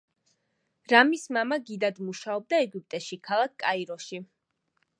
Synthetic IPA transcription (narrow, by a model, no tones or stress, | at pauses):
ɾamismamaɡid̪ad̪muʃaɔb̚d̪aɛɡup̚ʼt̪ʼɛʃikʰalˠakʰkʼaiɾɔʃi